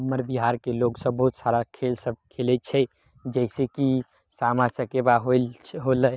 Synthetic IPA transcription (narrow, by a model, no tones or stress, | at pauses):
mːəɾbiɦaɾkeloɡsəbːəɦut̪saɾakʰelsəb̚kʰelɛt͡ʃʰɛ | d͡ʒɛɪseki | samasəkebaɦoɦoləj